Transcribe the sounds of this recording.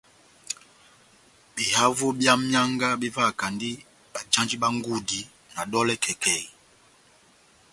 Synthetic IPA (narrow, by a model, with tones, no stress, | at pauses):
bi˨ha˦vu˦bja˦mja˦ŋɡa˦bi˦va˦˨ka˨ndi˦ | ɓa˨d͡ʒã˦nd͡ʒi˦ɓa˦ŋ˦ɡu˦di˨ | na˨ɗɔ˦lɛ˦kʰɛ˨kɛ˨i˨